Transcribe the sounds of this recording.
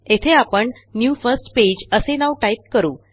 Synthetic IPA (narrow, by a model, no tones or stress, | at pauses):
et̪ʰeapəɳ | njufəɾsʈped͡ʑəsenaʋʈajip̚kəɾuː